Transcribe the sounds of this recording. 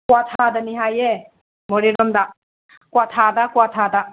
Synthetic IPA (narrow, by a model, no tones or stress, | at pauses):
kwatʰadɐniɦaje | mɔɾiɾɔmda | kwatʰadakuwatʰada